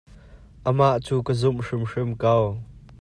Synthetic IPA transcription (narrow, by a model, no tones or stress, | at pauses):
ʔəmaʔt͡suːkəzʊmʂɪmʂɪmkɐw